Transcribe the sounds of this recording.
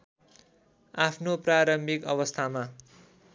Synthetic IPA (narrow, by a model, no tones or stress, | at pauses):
apʰnopraɾʌmbʱikʌβʌst̪ʰama